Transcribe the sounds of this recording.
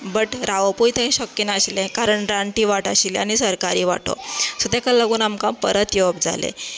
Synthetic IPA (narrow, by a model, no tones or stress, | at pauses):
bəʈɾaʋəpujt̪ẽɕəkːinaəɕlẽkaɾəɳɾaɳʈiːʋaʈaɕilañisəɾkaɾiːʋa̰ʈo̰sud̪ʱjakallːaɡuːnamkãpəɾət̪joʋəp̚d͡za̰lḛ